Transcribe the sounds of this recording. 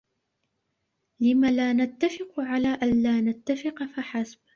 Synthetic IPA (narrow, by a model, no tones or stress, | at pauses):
lɪmalaːnat̪ːafɪqʕalaːʔanlaːnat̪ːafɪqfaħasb